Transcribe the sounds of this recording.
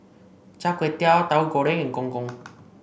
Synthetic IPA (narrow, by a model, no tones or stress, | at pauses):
t͡ʃakʷet̪jat̪auɡoɾeŋeŋkoŋkʊŋ